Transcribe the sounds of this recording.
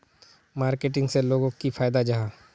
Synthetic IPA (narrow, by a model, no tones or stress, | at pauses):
maːɾkeʈɪ̃ŋɡseloːɡõkifʰaːjd̪ad͡ʒɐɦãː